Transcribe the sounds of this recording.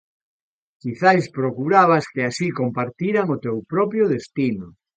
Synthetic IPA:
kiθajspɾokuɾaβaskeasikompaɾt̪iɾaŋʊt̪ewpɾɔpɾjʊðest̪inʊ

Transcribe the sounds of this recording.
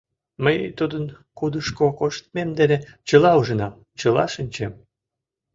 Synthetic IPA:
məjt̪ud̪ən | kud̪əʃkokoʃt̪̚memd̪enet͡ɕəlɑuʒə̆nɑm | t͡ɕəlɑ̰ʃənʲt͡ɕem

